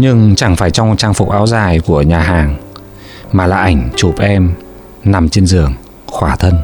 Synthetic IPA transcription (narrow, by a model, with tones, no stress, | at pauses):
ɲɨ˧ŋt͡ɕa˧˩ŋfaː˧˩jt͡ɕɔ˧ŋ͡mt͡ɕaː˧ŋfʊ˨˩k͡p̚ʔaː˨˦wzaː˨˩jku˧˩əɲaː˨˩ɦaː˨˩ŋ | maː˨˩laː˨˩ʔa˧˩jŋ̟t͡ɕu˨˩p̚ʔɛ˧m | na˨˩mt͡ɕe˧nzɨ˨˩əŋ | xwaː˧˩t̪ʰə˧n